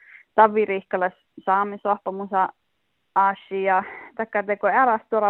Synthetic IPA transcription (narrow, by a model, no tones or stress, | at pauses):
t̪ɑʋːirihkɑlɑs | sɑːmisohpɑmusɑ | ɑsːiɑt̪ɑikːɑt̪ekoeɾɑst̪uɾɑ